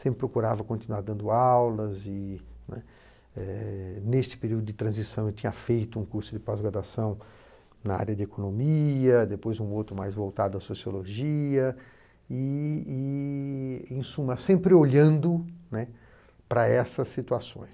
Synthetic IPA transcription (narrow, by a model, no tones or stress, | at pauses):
sẽmpɾɪpɾokuɾavɐkõnt̪inuaɾd̪ɐ̃nd̪ʊawlɐzɪnɛ̰ | ɛnest͡ʃɪ̥peɾiwd̪ʊd̪d͡ʒɪt̪ɾɐ̃zisɐ̃w̃et̪ĩɲɐfejt̪ʊũkuɾsʊd̪ɪpazɡɾaɾd̪asɐ̃w̃ | nɐa̰ɾjɐd̪ɪekonõmiɐd̪epojzũowt̪ɾʊmajzvowt̪ad̪ʊɐsosioloʒiɐ | ɪː | ẽsũmɐsẽmpɾɪoʎɐ̃nd̪ʊnɛ | pɾɐɛsɐsːit̪uasõ̰j̃s